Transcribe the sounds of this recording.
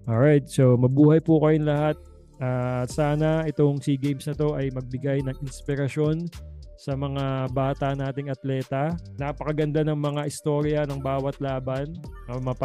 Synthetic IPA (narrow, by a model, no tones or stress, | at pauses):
ʔoɹajt̪̚somɐbuːhɐjpʊkɐjonlɐhat̪̚ | ʔaːsaːnɐʔɛt̪o̞ŋsiɡejmsnɐt̪o̞ʔɐjmɐɡ̚bɪɡajnɐŋɪnspɪɾɐʃo̞nsɐmɐŋabaːt̪ɐnaːt̪ɪŋɐt̪lɛːt̪ɐnapɐkɐɡɐnd̪anɐŋmɐŋaʔɪst̪o̞ːɾjɐnɐŋbaːwɐt̪laːbɐnɐmɐp